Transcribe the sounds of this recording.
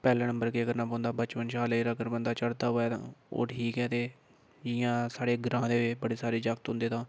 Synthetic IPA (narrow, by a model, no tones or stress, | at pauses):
pɛːlɛ̃ːnə̃mbəɾkeːəɡəɾnaːpɔ̃ːnd̪aːbət͡ʃpənʃaːleːɾəɡəɾbənd̪aːt͡ʃəɽt̪aːɦoːɛːt̪ã̰ːo̰ːʈʰiːkɛːt̪eː | ɪjãːsaːɽeːɡɾãːd̪eːʋɪt͡ʃbəɽeːsaːɾeːd͡ʒəkt̪ɦʊ̃nd̪eːt̪ãː